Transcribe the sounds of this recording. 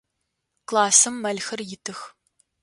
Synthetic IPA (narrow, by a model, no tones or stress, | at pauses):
klˠaːsɨmːɐlxɨrjɪtʰɨx